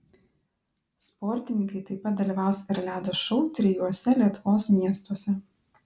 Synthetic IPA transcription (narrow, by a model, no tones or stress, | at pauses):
spɔɾʲt̪ʲɪnʲɪ̃ŋkɐɪt̪ɐɪpɐt̪̚d̪ɐlʲiːˑʋɑˑʊsɪɾlʲæːd̪oʃɔʊt̪ʲɾʲɪjuɔsʲɛlʲiɛt̪ʊʋoːsmʲiɛst̪uɔsʲɛ